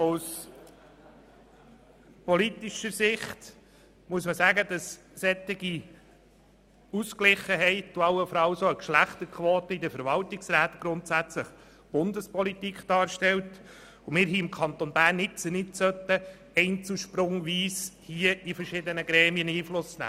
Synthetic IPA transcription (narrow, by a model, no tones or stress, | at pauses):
us | pɔlit̪iʃəɾsɪχt̪ | muəsməsæːɡəd̥̪ɑs | sɛt̪ɪɡi | usklɪχəɦɛɪt̚d̥uɑwəfɔɾɑlsoəkʃlæχt̪əɾkʰʋoːt̪əid̪əfəɾʋɑltɪksræːt̪ɡ̥ɾʊntsæt͡sləχ | b̥ʊnd̪əspʰɔlit̪ikχd̥ɑːɾʃtɛlt | ʊmɪːɾɦiɪmkʰɑnt̪onbæːɾnːɪt͡sənɪtsœt̪ːə | ɛɪnt͡suʃpɾʊŋʋiːshiəifəɾʃɪdənəɡɾɛːmiəniːflʊsnæ̰ː